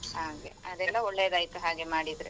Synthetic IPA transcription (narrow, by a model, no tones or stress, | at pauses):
haːɡe̞̰ɐd̪ɛlːɐoɭːejɐd̪ɐːjkɐɦaːɡe̞maːɽid̪ɾe